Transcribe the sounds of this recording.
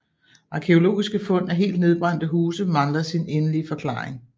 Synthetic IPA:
ʔɑ̈kʰeo̝lo̝̰ːisɡ̥əfɔ̽n̰æɐɦe̝̰ːld̥̚ne̝ðˠb̥ʁɑ̈n̰d̥əɦuːsəmɑ̈ŋlɐsinenəliəfɒ̽kʰlɑ̰̈ːʁeŋ

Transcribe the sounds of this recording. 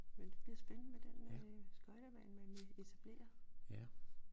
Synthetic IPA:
ʋeld̥eb̥liːɐsb̥ennəmed̥ensɡ̥ɒ̽ɪɾ̥æʋæɪnmænʋee̝t͡sʰæb̥le̝̰ːɐæ

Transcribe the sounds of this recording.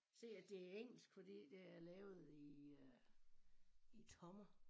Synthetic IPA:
se̝̰ːæd̥e̝æeŋ̰l̩sɡ̥fɒd̥ḭːd̥e̝æɐlɛːʊð̩ˠi | it͡sʰɒ̽mɐ

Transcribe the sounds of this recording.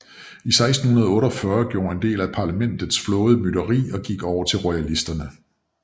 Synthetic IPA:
isɑ̈ɪsd̥n̩hunɐð̞ˠɔ̽ːɾɒfɶːɐɡ̥jo̝̰ːɐe̝nd̥e̝̰ːlæpʰɑ̈læmen̰d̥ð̩ˠsflɔ̽ːð̞̩ˠmyɾ̥ɐʁḭːɒ̽ɡ̥iɡ̥ɒʊɐt͡sʰelʁɔælisd̥ɐnə

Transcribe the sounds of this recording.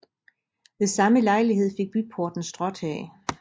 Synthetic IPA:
ʋe̝sɑ̈məlɑ̈ɪliɦe̝ð̞̰ˠfe̝ɡ̥̚b̥y̥pʰo̝ɐd̥n̩sd̥ʁɒ̽d̥hɛ̰ː

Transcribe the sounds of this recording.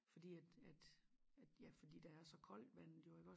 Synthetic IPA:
fɒ̽d̥ḭːæd̥æd̥æ̥jæfɒd̥ḭːd̥æ̈æɐsɒ̽kʰɒ̽l̰d̥ʋæn̰ð̩ˠjo̝e̝ɡ̥ɒ̽

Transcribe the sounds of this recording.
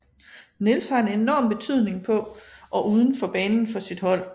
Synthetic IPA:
ne̝lshɑ̈e̝ne̝nɒ̰ːmb̥e̝t͡sʰyð̞̰ˠne̝ŋpʰɒ̽ʔɒ̽ʔuːð̞ˠən̩fɒb̥ɛːnn̩fɒ̽sid̥hɒ̽l̰

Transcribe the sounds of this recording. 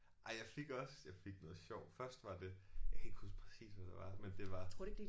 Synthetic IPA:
ʔɑ̈ɪjɑ̈ɪfe̝ɡ̥ɒ̽sjɑɪfe̝ɡ̥nɔ̽ːð̩ˠɕɒʊ̰̥fɶɐsd̥ʋɑ̈d̥e̝jɑɪkʰæe̝ɡ̥husd̥pʰʁɛsḭːsʋæd̥ɑʋɑ̈mend̥e̝ʋɑ̈o̰̥eɡ̥d̥e

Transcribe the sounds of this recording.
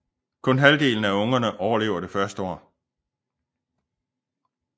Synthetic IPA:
kʰɔ̽nɦæld̥e̝̰ːln̩æɔ̽ŋɐnəʔɒʊɐle̝̰ːʊɐɾ̥e̝fɶɐsd̥əɒ̰ː

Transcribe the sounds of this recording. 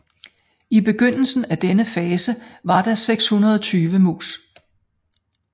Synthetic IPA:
ib̥e̝ɡ̥øn̰l̩sn̩æd̥enəfɛːsəʋɑ̈d̥ɑ̈seɡ̥shunɐð̞ˠɒt͡sʰyːʋəmṵːs

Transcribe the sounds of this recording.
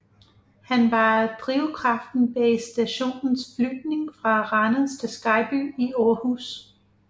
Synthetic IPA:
hænʋɑ̈d̥ʁiʊkʰʁɑ̈fd̥n̩b̥ɛsd̥æɕo̝̰ːnn̩sflyɡ̥̚ne̝ŋfʁɑ̈ʁɑnəð̩ˠst͡sʰesɡ̥ɑ̈ɪb̥y̰ːiɒːhus

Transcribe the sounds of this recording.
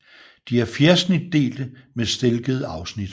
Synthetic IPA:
d̥iæɐfeɐsnid̥ːe̝̰ːld̥əmesd̥elɡ̥əð̞ˠəɑ̈ʊsnid̥

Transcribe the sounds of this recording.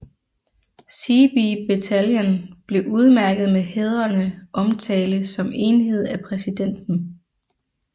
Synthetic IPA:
sib̥ib̥e̝t͡sʰæljənb̥le̝ʔuð̞ˠmæɐɡ̥ð̩ˠmeheð̞ˠɐnəʔɒ̽mt͡sʰɛːləsɒ̽me̝ːnɦe̝ð̞̰ˠæpʰʁɛsid̥en̰d̥n̩

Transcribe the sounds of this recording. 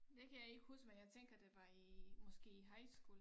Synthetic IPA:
d̥ekʰæjäe̝ɡ̥əhusɡ̥menjɑ̈ɪt͡sʰeŋ̰ɡ̥ɐd̥e̝ʋɑ̈imɒ̽sɡ̥e̝̰ːiɦɑ̈ɪsɡ̥ol

